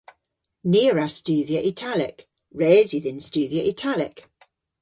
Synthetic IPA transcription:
niəɹəst͡ʃʉːðiəʔɪtʰalɪk | ɹɛːzwɪðɪ̃nst͡ʃʉːðiəʔɪtʰalɪk

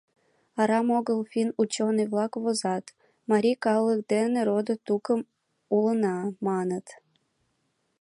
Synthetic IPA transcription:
ɑɾɑmoɣəlfʲinut͡ɕonɨjβlˠɑkβozɑt̪ | mɑɾʲikɑlək̚d̪eneɾod̪ət̪ukəm | ulənɑmɑnət̪

